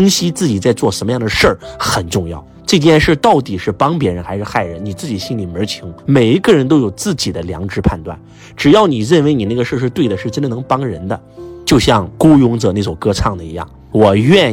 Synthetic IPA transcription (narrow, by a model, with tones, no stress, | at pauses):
ə˥ŋɕi˥t͡sɹ̩˥˩t͡ɕi˨˩t͡sa˥˧ɪt͡swɔ˥˩ʂə˧˥nmə˧jɑ˥˩ŋd̪ə˩ʂə˥˩xə˨˩nʈ͡ʂʊ˥˧ŋjɑ̰˥˩ʊʈ͡ʂɤ˥˧t͡ɕjɛ˥˧nʂə˥˧t̪ɑ˥˩ʊt̪i˨˩ʂɻ̩˥˩pɑ˥ŋp̬jɛ˧˥ɻə˧˥nxa˧˥ɪʂɻ̩˥˧xa˥˩ɪɻə˧˥nni˨˩t͡sɹ̩˥˩t͡ɕi˨˩ɕi˥nli˨˩mə˞˧˥t͡ɕʰi˧˥ŋme˨˩ɪi˧˥ɡə˥˧ɻə˧˥nt̪o˥ʊjo˨˩ʊt͡sɹ̩˥˩t͡ɕi˨˩d̪ə˦ljɑ̰˧˥ŋʈ͡ʂɻ̩˥pʰa˥˧nt̪wa̰˥˩n | ʈ͡ʂɻ̩˨˩jɑ˥˩ʊni˨˩ɻə˥˩nwe˧˥ɪni˨˩na˥˩ɡə˩ʂə˞˥˧ʂ̬ɻ̩˥˧t̪we˥˩ɪd̪ə˩ʂɻ̩˥˩ʈ͡ʂə˥nd̪ə˨nɤ˧˥ŋpɑ˥ŋɻə̰˧˥nd̪ə̰˧t͡ɕjo˥˧ʊɕjɑ˥˩ŋku˥jʊ˧˥ŋt͡sə˧˥na˥˩t͡swɔ˨˩kɤ˥t͡sʰɑ˥˩ŋd̪ə˩ḭ˧˥jɑ̰˥˩ŋ | wɔ˨˩ɥɛ˥˧n